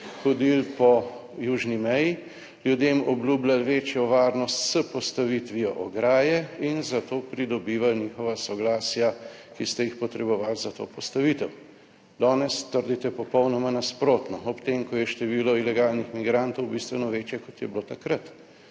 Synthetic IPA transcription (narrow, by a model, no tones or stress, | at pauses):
xɔd̪ilpɔ | juːʒnimɛji | ljud̪emɔbluːblʲalʋeːt͡ʃjɔʋaːɾnɔst̪səpɔst̪aʋit̪ʋiɔʔɔ̰ɡɾaːjɛinzat̪oːpɾid̪ɔbiːʋalniːxɔʋasɔɡlaːsja | kist̪ɛjixpɔt̪ɾɛbɔʋaːlzat̪o̰ːpɔst̪aʋit̪ɛw | d̪ɔːnɛst̪əɾd̪it̪ɛpɔpɔwnɔmanaspɾoːt̪nɔɔpt̪eːmkɔjɛʃt̪ɛʋiːlɔilɛɡaːlnixmiɡɾant̪ɔwbist̪ʋɛnɔʋeːt͡ʃjɛkɔt̪jɛbloːt̪akɾat̪